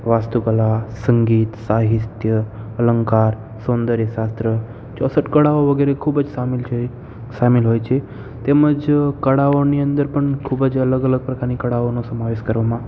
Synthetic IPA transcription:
ʋast̪ukəlasəŋɡiːt̪saɦit̪jə | ələŋkaɾ | sond̪əɾjəʃast̪ɾə | t͡ʃɔsəʈkəɽaoʋəɡeɾekʰubəd͡ʒsamil | samilɦojt͡ʃʰe | t̪eməd͡ʒkəɽaoniənd̪əɾpəɳkʰubəd͡ʒələɡələɡ̚pɾəkaɾnikəɽaonosəmaʋeʃkəɾʋamã

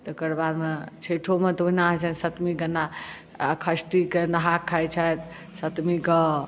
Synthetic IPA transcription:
t̪ɔkəɾbaɾmet͡ʃʰeʈʰomet̪oɦinaɦət͡ʃʰənsət̪mikənːa | kʰəsʈikenəɦakʰːajt͡ʃʰət̪ | sət̪mikə

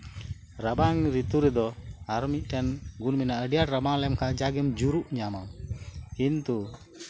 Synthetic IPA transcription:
ɾabaŋɾit̪uɾɛd̪ɔaɾmic̚ˀʈɛnɡunmɛnaʔəɖijaʈɾabaŋlɛmkaʔd͡ʒaɡɛmd͡ʒuɾuʔɲamamkint̪u

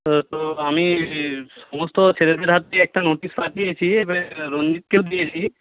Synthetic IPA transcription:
t̪oami | sɔmɔst̪ot͡ʃʰeɾed̪ʱeɾɦat̪ːeɛk̚ʈanoʈispaʈijet͡ɕʰiebeɾond͡ʒit̪̚keld̪ijet͡ɕʰi

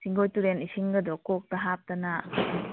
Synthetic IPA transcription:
siŋɡojtuɾenisiŋɡɐdɔkok̚tɐɦap̚tɐna

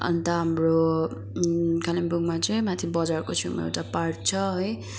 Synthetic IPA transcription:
ʌ̰nt̪ʌɦamro | kalimbuɡmat͡sʌj̃mat̪ʰibʌd͡zarkot͡sʰũmʌ̰ḛwʈaparʈt͡sʰʌɦʌj

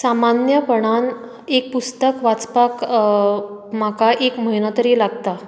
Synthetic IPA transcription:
samanjəpəɳ̃an | ek̚pust̪əkʋat͡spak | makaʔekməɦinat̪əɾilaɡt̪a

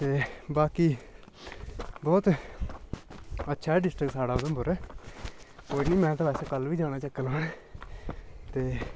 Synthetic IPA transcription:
t̪eːbaːkiː | bɔːt̪ | ətːʃʰaːɖɪsʈɾəksaːɽaːʊd̪əmbəɾ | koːiniːmɛ̃ːt̪apɛːseːkəlʋiːd͡ʒaːñaːt͡ʃəkːəlaːn | t̪eː

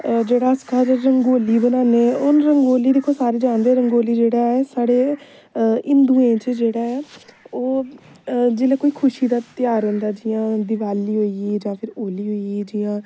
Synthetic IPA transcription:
d͡ʒeːɽaːsə̥kʰaːd͡ʒəɾəŋɡoːliːbənaːneːʊnɾəŋɡoːliːd̪eːkʰːoːsaːɾeːd͡ʒãːnd̪eɛːɾəŋɡoːliːd͡ʒeːɽaːɛːsaːɽeː | ɪnd̪ũːẽːt͡ʃəd͡ʒeːɽaːɛːoː | d͡ʒeːlaːkoːiːkʰʊʃiːd̪aːt̪ɪjaːɾɦʊ̃ːnd̪aːd͡ʒɪjãːd̪ɪʋaːliːɦoːieːd͡ʒãːpʰɪɾoːliːɦoːieːd͡ʒɪjãː

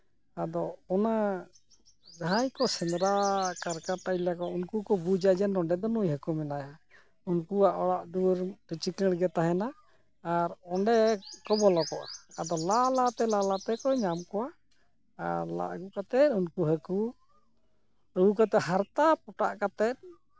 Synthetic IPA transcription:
ad̪ɔɔna | d͡ʒaɦajkɔsɛmɾakaɾkat̪alakɔunkukɔbud͡ʒad͡ʒɛnɔɳɖɛd̪ɔnujɦəkumɛnaja | unkuaʔɔɽaʔd̪uɾʈit͡ʃikəɽɡɛt̪aɦɛnaː | ɾɔɳɖɛkɔbɔlɔkɔʔa̰ad̪ɔlalat̪ɛlalat̪ɛkɔɲamkɔwa | aɾla̰ʔɡukat̪ɛt̪̚unkuɦəku | əɡukat̪ɛɦaɾt̪ap̚ɔʈa̰ʔkat̪ɛt̪̚ˀ

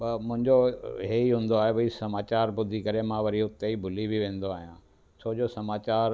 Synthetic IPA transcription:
mʊ̃ɦɪ̃ɲd͡ʑoɦeiɦũːnd̪oaːɦeʋɐisɐmaːt͡ɕaːɾbʊd̪ʱikɐɾemãʋɐɾiʊt̪ːeibʱʊlibiʋẽːnd̪oaːɦijã̰ː | sʰoːd͡ʑosɐmaːt͡ɕaːɾ

